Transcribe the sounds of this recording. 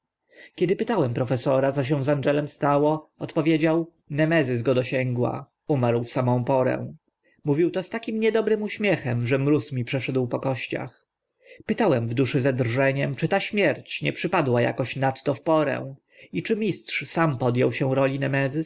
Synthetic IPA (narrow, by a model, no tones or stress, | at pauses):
kʲɛd̪ɘpɘt̪awɛmpɾɔfɛsɔɾat̪sɔɕ̬ɛ̃w̃zandɛlɛmst̪awɔɔt̪pɔvʲjed͡ʑaw | nɛmɛzɘz̬ɡɔd̪ɔɕɛŋɡwa̰ | umaɾwfsamɔ̃w̃pɔɾɛ̰̃ | muvʲiwt̪ɔst̪akʲimɲɛd̪ɔbɾɘmuɕmʲjɛxɛmʐɛmɾusmʲipʂɛʂɛd̪wpɔkɔɕt͡ɕa̰x | pɘt̪awɛmvd̪uʂɘzad̪rʐɛɲɛmt͡ʂɘt̪aɕmʲjɛɾt͡ɕɲɛ̰pʂɘpad̪waja̰kɔɕnat̪ːɔfpɔɾɛ̰̃w̃ | it͡ʂɘmʲistʂsampɔd̪jɔwɕɛw̃ɾɔlʲinɛmɛzɘ